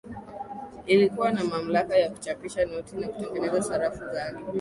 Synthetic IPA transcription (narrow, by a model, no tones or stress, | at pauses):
ilikuwanamam̩lakajaku̥t͡ʃapiʃanɔtinakutɛŋɡɛnɛzasaɾafuzaɗi